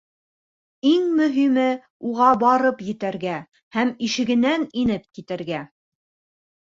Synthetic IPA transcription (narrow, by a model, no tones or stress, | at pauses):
iŋmɵ̆ɦimɘ | uʁɑbɑɾɤpjɘ̆t̪æɾɡæ | hæmiʃɘ̆ɡɘ̆næninɘp̚kit̪ɘ̆ɾɡæ